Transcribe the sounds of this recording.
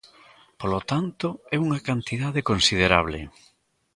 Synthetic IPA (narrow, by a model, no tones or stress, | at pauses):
polot̪ant̪oɛuŋɐkant̪iðaðekonsið̞eɾaβ̞lɪ̰